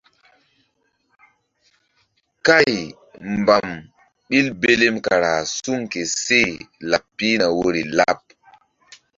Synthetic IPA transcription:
ka˦j | mba˨m | ɓi˦lbe˦le˦mka˨ɾa˨su˦ŋke˨se˦ | la˨pːi˦na˨wo˦ɾi˨la˦p̚

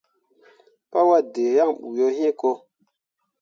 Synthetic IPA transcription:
pa˦wa˦˨de˨ja˦˨ŋɓṵ˨jɔ˦hjɛ̃˦kɔ˦

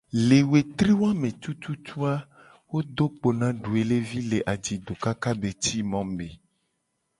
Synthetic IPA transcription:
le˨we˨t̪ɾi˦wa˦mẽ˨t͡ʃu˦t͡ʃu˦t͡ʃu˦a˦ | wo˦d̪o˦k͡po˨nã˦ɖu˨e˨le˦vi˦le˨ʔa˨d͡ʒi˨d̪o˨ka˦ka˦be˨t͡ɕi˦mɔ̃˦mbe˨

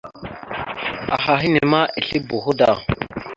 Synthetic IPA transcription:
a̰˨xa˨ɦi˦ni˨ma˦ʔi˨ɬi˦bu˨xu˦da˨

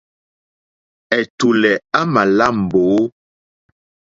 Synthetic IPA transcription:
ɛ˨tu˨lɛ˨a˦ma˨la˦˨m̩˨bo˨˦

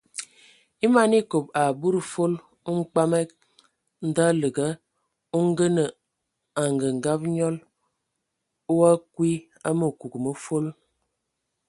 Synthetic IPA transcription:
i˦ma˦ni˦ko˨p̚a˨bu˦ɾfo˦l | u˦ŋ͡m̩˦k͡pa˦mɛ˦k̚ | n̩˦da˦lə˨ɡa˦ | u˦ŋ˦ɡə˦nə˨ | a˨ŋɡə˨ŋ̩˨ɡa˦p̚ɲɔ˦l | u˦wa˦kwi˦ | a˦mə˦˨ku˨ɡmə˦fo˦l

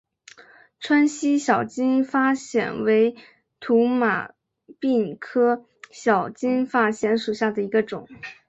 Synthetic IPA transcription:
ʈ͡ʂʰwa˥nɕi˥ɕjɑ˨˩ʊt͡ɕi˥nfa˥ɕjɛ̰˨˩nwe˧˥ɪ | t̪ʰu˧˥ma̰˨˩ | pi˥˩nkʰɤ˥ | ɕjɑ˨˩ʊt͡ɕi˥nfa˥˩ɕjɛ˧˥nʂu˨˩ɕja˥˩d̪ə˩i˧˥ɡə˧ʈ͡ʂʊ̰˨˩˦ŋ

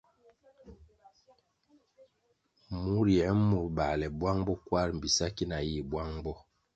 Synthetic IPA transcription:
mu˨˦ɾjɛ˨˦mu˨ɾba˨lɛ˨bwa˦ŋbɔ˦kwa˦˨ɾm̩˨bi˨sa˦ki˦na˨ji˦˨bwa˦ŋ˦bɔ˦

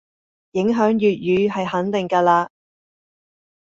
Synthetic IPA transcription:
jɪ˨˥ŋɦœː˨˥ŋjyː˨t̚jyː˨˧ɦɐ˨jɦɐ˨˥nt̪ɪ˨˩ŋkɐː˧laː˧

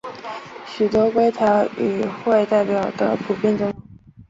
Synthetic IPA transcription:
ɕy˨˩t̪wɔ˥kwe˥ɪt͡s̪ʰa˧˥y˨˩xwe˥˧ɪt̪a˥˩ɪpjɑ˨˩ʊd̪ə̰˦pʰu˨˩pjɛ˥˩nt͡sʊ˥ŋ˧˥

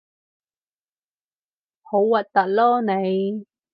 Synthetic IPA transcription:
ho˨˧wwɐ˨t̚t̪ɐ˨t̚lɔː˥ne˨˧j

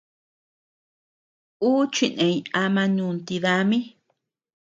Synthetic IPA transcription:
uː˦t͡ʃi˧˨nẽ˧ɲ˧a˧mã˧ɲũ˧˨nt̪i˧ða˧˦mĩ˦

